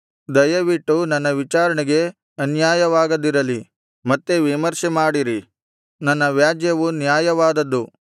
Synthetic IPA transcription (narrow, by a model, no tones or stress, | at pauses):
d̪ɐjɐʋiʈːunɐnːɐʋit͡ʃaːɾɐɳiɡe̞ | ɐnjaːjɐʋaːɡɐd̪ːiɾɐli | mɐt̪ːeʋimɐɾʃemaːɽiɾi | nɐnːɐʋjaːd͡ʒjɐʋunjaːjɐʋaːd̪ɐd̪ːu